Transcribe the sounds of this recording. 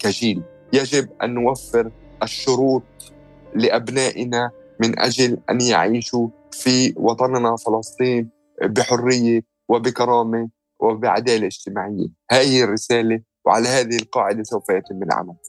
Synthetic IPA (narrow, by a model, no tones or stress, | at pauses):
kaʒiːl | jaʒɪbʔa̰nːʊwafːɪɾʔaʃːʊɾuːt̪̚ˤ | lɪʔabnaːʔɪnamɪnʔa̰ʒalʔa̰nja̰ʕiːʃu | fiwɑt̪ˤɑnnafɪlɑsˤt̪ˤiːn | bɪħʊrːɪjːe | wɪbɪkɑɾˤɑːme | wʔɪbɪʕa̰d̪aːleʔɪd͡ʒt̪ɪmaːʕɪjːḛhaːrːɪsaːle | wʕa̰lahaːðɪhɪlqɑːʕɪd̪asawfajat̪ɪmːɪlʕa̰mal